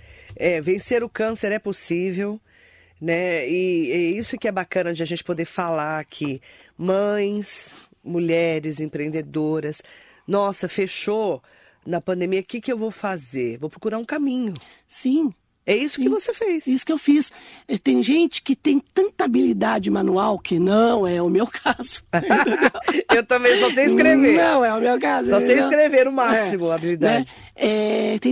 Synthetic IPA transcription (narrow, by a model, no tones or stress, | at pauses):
ɛvẽseɾʊkɐ̃seɾɛposivew | nɛɪɛisʊkɪɛbakɐ̃nɐd͡ʒɪaʒẽnt͡ʃɪ̥pod̪eɾfalaɾakʰɪmɐ̃j̃s | muʎɛɾɪzẽpɾẽnd̪ed̪oɾɐs | nɔsɐfeʃo | nɐpɐ̃nd̪ẽmiɐkɪkɪewvowfazeɾvowpɾokuɾaɾũkamĩɲʊ | sĩ | ɛisʊkɪvosefejsisʊ̥kɪewfisɛt̪ẽj̃ʒẽnt͡ʃɪ̥kɪt̪ẽj̃t̪ɐ̃nt̪ɐabilid̪ad͡ʒɪmãnuawkɪnɐ̃w̃ɛʊmewkʰazʊ̥d̪wewt̪ɐ̃mẽj̃sɔseĩskɾevenɐ̃w̃ɛʊmewkazsɔsẽiskɾeveɾʊmasimʊabilid̪ɛd͡ʒɪ | ɛt̪ẽj̃